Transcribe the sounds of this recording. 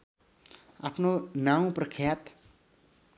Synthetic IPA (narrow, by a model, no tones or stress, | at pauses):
apʰnonaw̃prəʌkʰjat̪